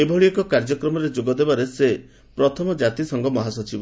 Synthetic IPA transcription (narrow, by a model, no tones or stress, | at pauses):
ebʱɔɭiɔkɔkaɾd͡ʒɔkɾɔmɔɾed͡ʒoɡɔd̪ebaɾese | pɾɔt̪ʰɔmɔd͡ʒat̪isɔŋɡɔmɔɦasɔt͡ʃibɔ